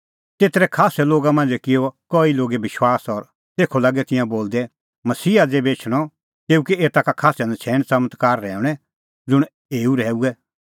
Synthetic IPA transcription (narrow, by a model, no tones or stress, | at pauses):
t̪eːt̪ɾɛkʰaːsɛloːɡamãːnd͡zɛkɪokɔːiloːɡebɪʃwaːsɔɾ | t̪eːkʰolɐɡɛt̪ɪ̃jãboːld̪ɛ | mɐsiːad͡zebeːt͡ʃʰɽ̃ɔ | t̪eːukieːt̪akakʰaːsãnd̪ɛt͡sʰɛːñsɐmət̪kaːɾːɛːʊɽ̃ɛ | d͡zʊɽ̃ | eːuɾɛːuɛ